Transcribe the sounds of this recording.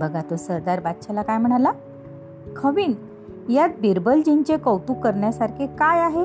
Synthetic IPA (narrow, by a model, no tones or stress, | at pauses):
bəɡʱat̪osəɾd̪aɾbat̪ɕʰalakajm̤əɽ̃ala | kʰəʋiːn | jat̪̚biɾbəld͡ʑiɲt͡ɕekəwt̪ukːəɾɳjasaɾkʰekajaɦe